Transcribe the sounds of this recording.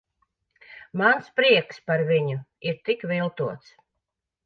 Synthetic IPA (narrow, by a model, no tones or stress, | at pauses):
manspɾiɛkspaɾvʲiɲuiɾt̪ikvilˠt̪uɔt̪s